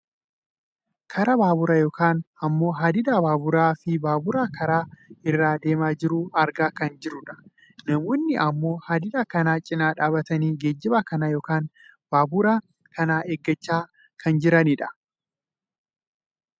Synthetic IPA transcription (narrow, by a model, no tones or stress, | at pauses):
kʰɐɾɐbaːbʊɾajo̞ːkʰaːnɐmːo̞ːɦaːd̪ɪd̪aːbaːbʊɾaːfɪbaːbʊɾaːkɐɾaːɪrːaːd̪eːmaːd͡ʒɪɾʊɐɾɡaːkɐnd͡ʒɪɾʊᶑɐ̥ | nɐmɔːnːɪʔɐmːo̞ːhaːd̪ɪd̪aːkɐnaːt͡ʃʼɪnaːᶑaːbɐt̪ɐniːɡeːd͡ʒːɪbaːkɐnɐjo̞ːkaːnb̥aːbʊɾaː | kɐnaːʔeɡːɐt͡ʃːaː | kʰɐnd͡ʒɪɾɐniᶑɐ̥